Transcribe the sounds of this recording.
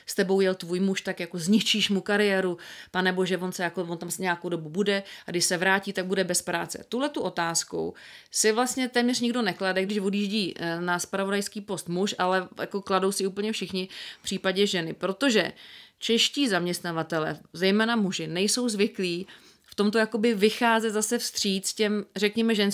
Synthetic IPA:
st̪ɛbo̞wjɛlt̪vuːjmuʃt̪akjako̞zɲɪt͡ʃiːʃmukaɾɪjɛːɾupanɛbo̞ʒɛvo̞nsɛjakovont̪amsɲɛjakowdo̞bubudɛaɡdɪʃsɛvɾaːciːt̪aɡ̚budɛbɛspɾa̰ːt͡sɛ̰t̪uɦlɛt̪uʔo̞t̪aːsko̰wsɪvlast̪ɲɛt̪ɛːmɲɛrɲɪɡdo̞nɛkladɛɡdɪʃvodjiːʒɟiːnaspɾavodajskiːpo̞st̪muʃalɛja̰ko̞klado̞wsɪuːpl̩ɲɛfʃɪxɲɪfpr̥iːpaɟɛʒɛnɪpɾo̞t̪o̞ʒɛ̰t͡ʃɛʃciːzamɲɛst̪navat̪ɛlɛ̰ːzɛjmɛːnamuʒɪnɛjso̞wzvɪkliː | ft̪o̞mt̪ojako̞bɪvɪxaːzɛt̪zasɛfst̪r̝̥iːt͡scɛmrɛkɲɛmɛʒɛns

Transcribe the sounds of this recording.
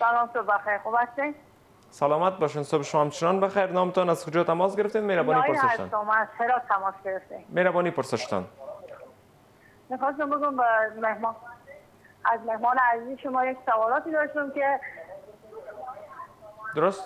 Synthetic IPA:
salɒmsobexæjɾxobæst̪en | salɒːmat̪̚bɒʃensobeʃomɒamt͡ʃʰenɒnbexæjɾnɒːmet̪ɔnazkod͡ʒɒːt̪amɒsɡeɾeft̪ed̪meɾabɔːniːjpoɾseæʃt̪a̰nɔmæsheɾɒːt̪ʰːæmɒsɡeɾeft̪inmeɾabɒːniːpoɾseʃt̪a̰n | mixɔːs̬t̪ambeɡumbemehmː | æzmehmɒːneæziːzʃomɒːjeksavɒːlɒt̪iːd̪ɒːʃt̪imke | d̪oɾost̪

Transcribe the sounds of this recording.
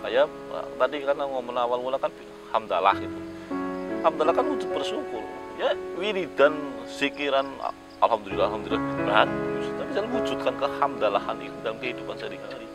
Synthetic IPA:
ka̰ja̰ | t̪adikanaŋomənawalmulakanbi | hamd̪ala̰hɡit̪u | hamd̪alahkanwud͡ʒʊt̪̚bərsukʊljawiɾidansikiɾan̰ | a̰lɦamd̪ulilːaɦamd̪ulilahbibaɦanisut̪abisalaud͡ʒut̪̚kankəhamd̪alaha̰nḭt̪udalamkəɦidupansadikaaɾi

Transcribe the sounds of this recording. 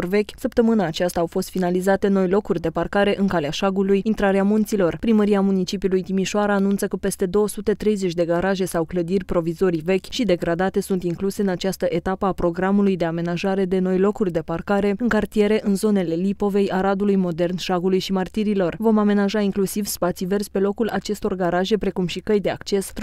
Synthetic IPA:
orve̞kʲsəpt̪əmɨnaːt͡ʃast̪aːwfo̞st̪finalizat̪e̞no̞jlo̞kurʲd̪e̞parkaɾe̞ʔɨŋkaleaʃaɡulujint̪ɾaɾeamunt̪silo̞rpɾiməɾiamunit͡ʃipiulujt̪imiʃoaɾaːnunt̪səkəpe̞st̪e̞d̪o̞osut̪e̞t̪ɾe̞jze̞t͡ʃʲd̪e̞ɡaɾaʒe̞sawkləd̪irʲpɾo̞vizo̞ɾive̞kʲʃid̪e̞ɡɾad̪at̪e̞sunt̪iŋkluse̞ɨnat͡ʃast̪əʔet̪apəapɾo̞ɡɾamulujd̪e̞ame̞naʒaɾe̞d̪e̞no̞jlo̞kurʲd̪e̞parkaɾe̞ɨŋkart̪ije̞ɾe̞ʔɨnzo̞ne̞le̞lipo̞ve̞jʔaɾad̪ulujmo̞d̪e̞rnʃaɡulujʃimart̪iɾilo̞rvo̞mame̞naʒaiŋklusivspat̪sive̞rzʲpe̞lo̞kulʔat͡ʃe̞st̪o̞rɡaɾaʒe̞pɾe̞kumʃikəjd̪e̞a̰kt͡ʃe̞s

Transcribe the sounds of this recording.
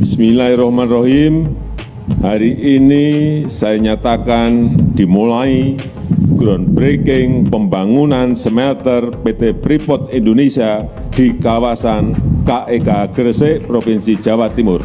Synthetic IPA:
smilaiɾɔhmanroɦim | haɾiʔːnisajaɲat̪akand̪̥i̤mulai | ɡ̥ɾɔnbɾekɪŋpəmbaŋunansəmɛt̪ərpet̪epɾipɔt̪̚ind̪onesia | d̪̥i̤kawasankaʔekaɡ̥ərseʔpɾopinsid̥ʒ̥awat̪ːimʊr

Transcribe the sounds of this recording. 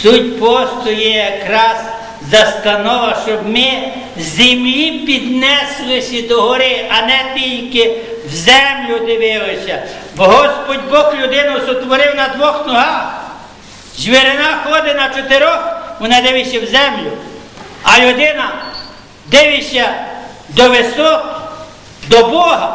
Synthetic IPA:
sutʲpɔst̪ɔjɛjɐkɾɑz̥ | zɐst̪ɐnɔʋɐʃt͡ʃɔbmɪ | zʲɪmlʲipʲid̪nɛslˠɪsʲid̪ɔɦɔɾɪɐnɛt̪ʲilʲkɪ | wzɛmlʲʊd̪ɪʋɪlˠɪsʲɐ | bɔɦɔspɔdʲbɔklʲʊd̪ɪnɐwsɔt̪ʋɔɾɪwnɐd̪ʋɔxnɔɦɑx | ʒʋeɾɪnɑxɔd̪ɪnɐt͡ʃɔt̪eɾɔxʋɔnɑd̪ɪʋɪʃɐwzɛmlʲʊ | ɐlʲʊd̪ɪnɐ | d̪ɪʋɪʃʲɐ | d̪ɔʋɪsɔk | d̪ɔbɔɦɐ

